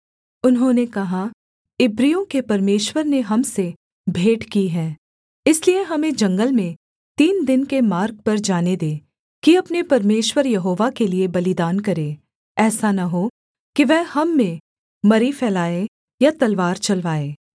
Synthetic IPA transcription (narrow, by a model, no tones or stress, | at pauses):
ʊnɦõnekɐɦa | ɪbɾijõkepɐɾmeːʃwəɾneɦɐmse | bʱeːʈkiɦɛ̃ː | ɪslieɦɐmẽd͡ʒɐ̃ŋɡəlmẽ | t̪iːnd̪ɪnkemaːɾk̚pɐɾd͡ʒaːned̪eː | kiɐpnepɐɾmeːʃwəɾjɐɦoːʋakeliebɐlɪd̪aːnkɐɾe | ɛːsanɐɦo | kiʋɛɦhɐmːẽ | mɐɾifʰɛːlaːe | jat̪ɐlʋaːɾt͡ʃɐlʋaːeː